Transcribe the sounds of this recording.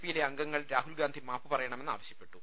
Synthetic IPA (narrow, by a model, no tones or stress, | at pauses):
pːijileɐŋɡɐŋːɐɭɾaːɦulɡaːnd̪ʱimaːpːɨpɐrɐjɐɳɐme̞nːa̰ːʋɐɕjɐpːe̞ʈːu